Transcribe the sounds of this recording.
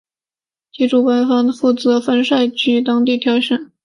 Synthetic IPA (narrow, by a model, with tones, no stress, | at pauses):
t͡ɕi˥ʈ͡ʂʰu˨˩kwa˥nfɑ˥ŋfu˥˩t͡sɤ˧˥fə˥nʂa˥˧ɪt͡ɕʰy˥t̪ɑ˥ŋt̪i˥˩t̪ʰjɑ˧˥ʊɕə˥˩n